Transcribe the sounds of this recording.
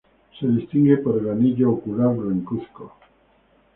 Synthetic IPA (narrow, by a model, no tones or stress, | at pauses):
seðist̪iŋɡepoɾelaniʎookuɾaɾβɾeŋkusko̰